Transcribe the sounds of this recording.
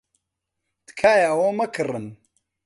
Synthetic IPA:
d̪̥kʰaːjaɐwoːmɐkʰɨrˤɨn

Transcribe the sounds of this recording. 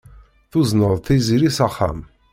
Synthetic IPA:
θʊznəðˤθiziɾisaχːa̰m

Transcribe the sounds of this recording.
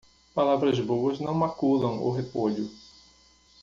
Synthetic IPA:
palavɾɐzbowɐznɐ̃w̃makulɐ̃w̃ʊ̰ɦepoʎʊ

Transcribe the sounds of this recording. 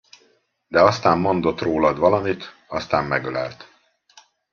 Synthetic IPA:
d̪ɛɒst̪aːmːo̞nd̪o̞t̪roːlɒd̪ʋɒlɒmit̪ | ɒst̪aːmːɛɡølɛ̰lt̪

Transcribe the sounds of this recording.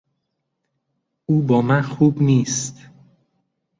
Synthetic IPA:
ʔuːbɒːmænxuːbniːst̪

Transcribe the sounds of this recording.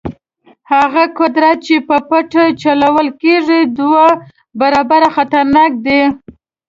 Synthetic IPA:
haɣakʊd̪ɾat̪̚t͡ʃepəpaʈat͡ʃalawəlkeʐid̪wa | baɾɑbaɾaxat̪aɾnɑk̚d̪e

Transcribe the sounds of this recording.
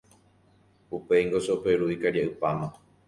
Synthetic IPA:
upejŋɡoseopeɾuikaɾjaʔɨpamã

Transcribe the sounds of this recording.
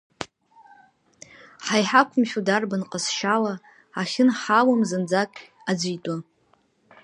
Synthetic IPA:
ħajħakʷʰʊmʃʲᶣudarbanqʼəsʃala | aχʲɪnħawamzɨnd͡zakʲʼ | ad͡zʷijtʼa

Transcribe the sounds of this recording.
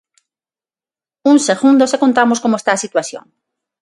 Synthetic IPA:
unseɣũnd̪osekõnt̪amoskomoest̪aːsit̪waθjo̰ŋ

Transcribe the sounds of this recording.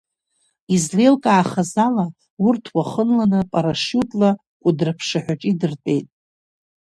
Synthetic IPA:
izle̞lkʼaːχazala | wʊrtʰwaχənlanɨpʼaɾaʂutʰʼla | kʷʼʊdrɨpʰʂaħʷᶣaʈ͡ʂʼidɨrtʼe̞jtʼ

